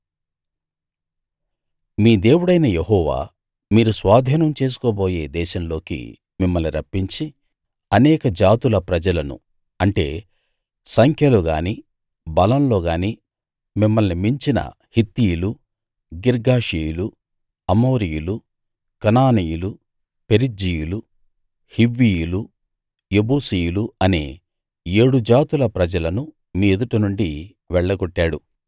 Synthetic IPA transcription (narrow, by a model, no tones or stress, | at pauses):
miːd̪e̞ːwuɽɐjnɐjeɦɔːʋa̰ː | miːɾusʋaːd̪ʱiːnɐmt͡ʃe̞ːs̬u̥koːbo̞ːje̞ːd̪ɛːʃɐmlo̞ːkḭ | mimːɐlniɾɐpːiɲt͡ʃi | ɐnɛːkɐd͡ʒaːt̪ulɐpɾɐd͡ʒɐlɐnṵ | ɐɳʈe̞̰ː | sɐŋkʰjɐluɡaːni | bɐlɐmlo̞ːɡaːniː | mimːɐlnimiɲt͡ʃinɐ̰ | hit̪ːijulu | ɡiɾɡaːʂijulu | ɐmo̞ːɾijulu | kɐnaːnijulu | peɾid͡ʒijulu | hiʋːijulu | jebuːsijuluɐnḛː | e̞ːɽud͡ʒaːt̪ulɐpɾɐd͡ʒɐlɐnu | miːed̪uʈɐnuɳɖi | ʋɛɭːɐɡɔʈːaːɽu